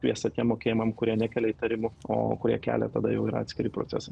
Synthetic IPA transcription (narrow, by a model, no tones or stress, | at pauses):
kʲʋʲiɛst̪ɐt̪ʲiɛmmoːkʲeːjɪmɐmkʊɾʲiɛnʲækʲɛlʲɛit̪ɐɾʲɪmʊo̰ːkʊɾʲiɛkʲæ̰ːlʲɛ̰t̪ɐd̪ɐjɛʊiːɾɐɑːt̪sʲkʲɪɾʲɪpɾo̰t̪sʲæ̰sɐ